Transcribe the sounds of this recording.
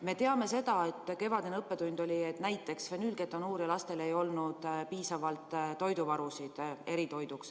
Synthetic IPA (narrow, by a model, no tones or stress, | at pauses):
me̞t̪e̞ɑme̞se̞d̪̥ɑe̞t̪ːˑke̞vɑd̪enɤpːe̞d̪und̪̥o̞lʲie̞t̪næjt̪ːˑe̞ksfenylɡe̞t̪ːˑonuːɾilɑst̪e̞le̞jo̞lnud̪̥piːsɑvɑlt̪ˑːo̞jd̪uvɑɾusid̪̥e̞ɾit̪o̞jd̪uks